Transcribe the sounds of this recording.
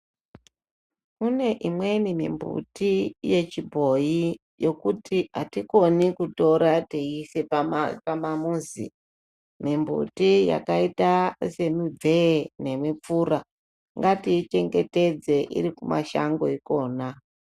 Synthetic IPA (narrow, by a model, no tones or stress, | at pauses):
mune̞ʔimwe̞nimḭmbṵtije̞t͡ʃibʱo̞ji | jo̞kutʰiɦatiko̞nikuto̞ɾateiseapamamuːzḭ | mimbṵtija̰kaitase̞mib͡vʱe̞ne̞mip͡fuːɾa | ŋɡatiit͡ʃe̞ŋɡe̞te̞d͡ze̞ʔḭɾikuma̰ʃa̰ŋɡo̞iko̞ːna